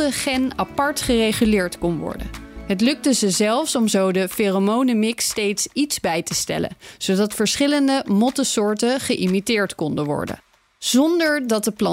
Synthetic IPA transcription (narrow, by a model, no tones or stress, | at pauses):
əχɛnapɑɹtχərejχylɪːɹtkɔnʋɔ̰ɹdə̰nɦətlɵk̚təzəzɛlˠfsɔmzowdəferomownəmɪkstejtsitzbɛjtəstɛ̰lə̰nz̥owdɑtfəɹsχɪləndəmɔtəsʊːɹtəχəʔimitɪːɹtkɔndəʋɔ̰ɹdə̰ | z̥ɔndəɹdɑt̚dəplɑ